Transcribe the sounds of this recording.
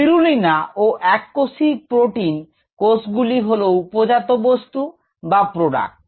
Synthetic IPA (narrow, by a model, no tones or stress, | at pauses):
iɾulinaʔoʔɛkːosipɾoʈin | kosɡuliɦoloupod͡ʑat̪obost̪u | bapɾoɖa̰k̚ʈ